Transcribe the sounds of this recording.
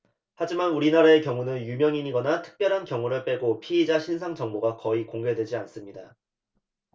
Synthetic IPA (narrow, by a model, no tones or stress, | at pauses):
had͡ʑimanuɾinaɾae̞kjʌŋunɯnjumjʌŋiɲiɡʌnatʰɯ̥k̚p͈jʌɾɦankjʌŋuɾɯɭp͈e̞ɡopʰiːd͡ʑaɕʰinsʰaŋt͡ɕʌŋboɡakʌikoŋɡe̞dwe̞d͡ʑians͈ɯmɲida